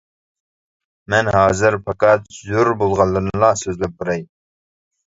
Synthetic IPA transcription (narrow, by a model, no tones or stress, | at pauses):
mɛnɦɑːzɨɾpʰɑkɑt̪zoɾbolˠʁɑnlˠːɨɾmlˠɑsøzlæp̚buɾɛj